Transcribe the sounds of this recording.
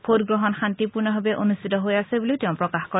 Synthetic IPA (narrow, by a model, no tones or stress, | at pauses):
pʰotɡɹɔɦɔnxantipuɹnɔɦabɛʔonust̪ʰitɔɦojasɛbuliʊtɛʊ̃pɹɔkaxkɔ